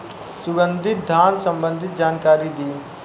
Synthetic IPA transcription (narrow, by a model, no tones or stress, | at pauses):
sʊɡə̃nd̪ʱɪt̪̚d̪ʱaːnsɐ̃mbə̃nd̪ʱɪt̪̚d͡ʒaːnkaːɾid̪iː